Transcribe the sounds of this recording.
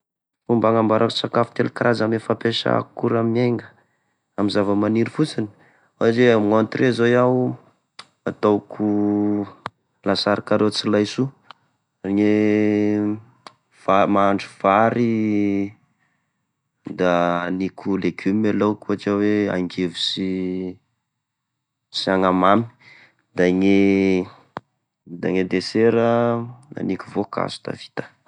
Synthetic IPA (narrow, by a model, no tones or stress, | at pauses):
fumbaŋambaɾʔasakafu̥t̪elkaɾazamefapeʃa̰kuɾamimeŋɡə | amizavəmaniɾifut͡sini̥ | aaʈ͡ʂemont̪rezojaw | at̪owkʰu | lasaɾakaɾet͡silajsu | riɲe | vamaɳɖ͡ʐuv̥aɾi | d̪anikʲʰuleɡumalowkuɦaʈ͡ʂəwea̰ŋɡevusi | siaŋamami̥ | d̪aŋe | d̪a̰ŋed̪eseɾəa̰nikuvoka̰zu̥d̪̥a̰vi̥t̪ə̥